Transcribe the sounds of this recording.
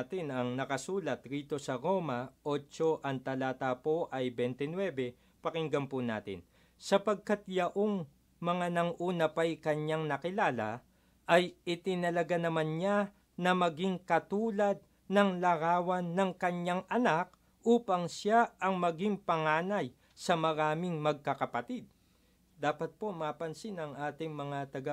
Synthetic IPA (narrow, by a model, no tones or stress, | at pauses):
t̪ɪnɐŋnɐkɐsuːlɐt̪ɾiːt̪o̞sɐɾo̞mɐʔot͡ʃo̞ʔɐnt̪ɐlaːt̪apo̞ʔɐjbɛnt̪ɛnwɛbɛ | pɐkɪŋɡɐmpʊna̰ːt̪ɪ̰n | sɐpɐɡ̚kat̪̚jɐʔo̞ŋ | mɐŋanɐŋʔuːnɐpɐjkɐɲaŋnɐkɪlaːlɐ̰ | ʔɐjɪt̪ɪnɐlɐɡanɐmanɲa | nɐmɐɡɪŋkɐt̪uːlɐd̪̚ | nɐŋlɐɾaːwɐnːɐŋkɐɲːaŋʔɐnak̚ | ʔuːpɐŋsaʔɐŋmɐɡɪŋpɐŋaːnɐj | sɐmɐɾaːmɪŋmɐɡ̚kɐkɐpɐt̪id̪̚ | d̪aːpɐt̪̚po̞mapɐnsɪnɐŋʔaːt̪ɪŋmɐŋat̪ɐɡa